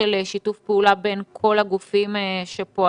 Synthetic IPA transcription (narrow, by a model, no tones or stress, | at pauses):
eleʃitufpeulabenkʰo̞laɡufimʃepoa